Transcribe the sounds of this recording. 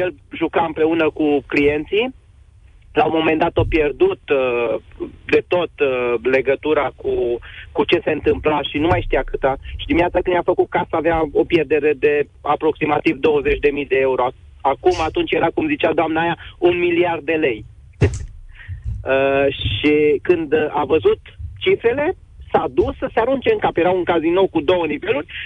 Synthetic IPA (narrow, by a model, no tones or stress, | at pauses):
jelʒukaɨmpɾe̞unəkuklije̞nt̪si | lawmo̞me̞nd̪at̪o̞pje̞rd̪ut̪ | d̪e̞t̪o̞t̪le̞ɡət̪uɾakukut͡ʃe̞se̞ɨnt̪ɨmplaʃinumajʃt̪iakɨt̪aʃid̪iminat̪sakɨnjafəkut̪̚kasaːveao̞pjerd̪e̞ɾe̞d̪e̞ | apɾo̞ksimat̪ivd̪o̞wəzet͡ʃʲd̪e̞mijd̪e̞e̞uɾo̞ | akumat̪unt͡ʃjeɾakumzit͡ʃad̪oamnaːjaunmiliard̪̚ːe̞le̞j | əʃikɨnd̪avəzut̪t͡ʃifɾe̞le̞ | sad̪usəseaɾunt͡ʃe̞ɨŋkapje̞ɾauŋkazinowkud̪o̞wənive̞lurʲ